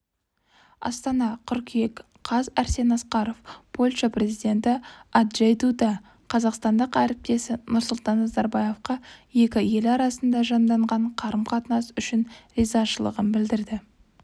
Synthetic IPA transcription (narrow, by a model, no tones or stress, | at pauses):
ɑ̰st̪ɑnɑqʰʏɾkʲijek | qʰɑzæɾse̞nɑsqɑɾo̞fpʰolʲʃɑprʲe̞zijd̪ʲe̞nt̪ɪad̪ʒejd̪ud̪ɑ | qʰɑzɑqst̪ɑnd̪əqæɾɪp̚t̪e̞sɪnʊɾsʊlˠt̪ɑnːɑzɑɾbɑje̞fqɑje̞kʲɪje̞lɑɾɑsənd̪ɑʒɑnd̪ɑɴʁɑɴqʰɑɾəmqʰɑt̪ənɑsʏʃɪnɾizɑʃəlˠə̰ʁənbɪld̪ɪɾd̪ɪ